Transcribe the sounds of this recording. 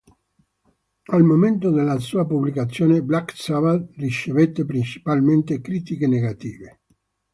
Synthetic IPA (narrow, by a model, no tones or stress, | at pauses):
almoment̪od̪elːasuːapublikat̪sːjoːneblaksavarit͡ʃːevet̪ːepɾint͡ʃi̥palment̪ekɾiːt̪ikeneɡat̪iːve